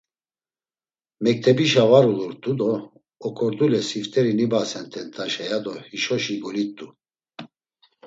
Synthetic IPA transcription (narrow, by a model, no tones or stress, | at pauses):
mɛk̚t̪ʰɛbiʃavaɾuluɾt̪ʼud̪ɔː | kʰʼɔɾd̪ulɛsift̪ʼɛɾinibasɛnt̪ʰɛnt̪ʰʼaʃɛjad̪ɔhiʃɔʃiɡɔlit̪ʼːu